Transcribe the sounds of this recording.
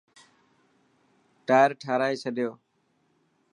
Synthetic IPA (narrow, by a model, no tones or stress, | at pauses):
ʈaːjɾʈʰaːɾaːiːt͡ʃʰəɗɪjoː